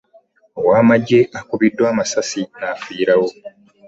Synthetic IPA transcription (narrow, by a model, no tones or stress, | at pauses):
owaːmaɟːe̞ʔakuβidːwaːmasasinafiːɾawo̞